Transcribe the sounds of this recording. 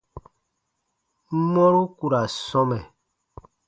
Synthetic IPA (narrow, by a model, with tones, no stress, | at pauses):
m̩˦mɔ˦ɾu˦ku˨ɾa˨sɔ˦mɛ˨